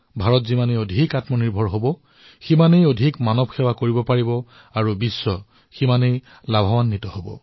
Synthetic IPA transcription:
bʱaɹɔtzimanejodʱikatmɔniɹbʱɔɹɦobɔ | ximanejodʱikmanɔb̚ʱxʰɛwakoɹibɔpaɹibɔ | aɹubisːɔ | ximanej | labʱawanːitɔhobɔ̰

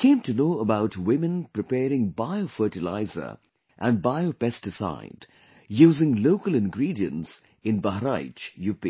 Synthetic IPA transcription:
kʰẽɪ̃mtunoːəbaʊtwɪmɨ̃npɾɨpɛːɾɪ̃ŋbaɪofɜːʈɪla̰ɪzə̰˞ | ʔə̃n̚baɪopɛstɪsa̰ɪd̥ | juːzɪ̃ŋloʊːkəlɪ̃nɡɾiːdiə̰̃ns | ɪ̃nbaɦɾaɪt͡ʃjuːpḭ

